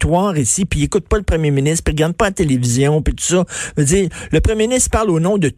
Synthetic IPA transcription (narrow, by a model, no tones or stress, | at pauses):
t̪wɑːʁisipiekʊt̪̚pʌləpʁəmjeminɪst̪χpiʁɡaʁd̪̚pʌat̪elevizjɔ̃pit̪u̥sɔvəd͡ziːʁləpʁəmjeminɪst̪χpaʁloːnɔ̃d̪ə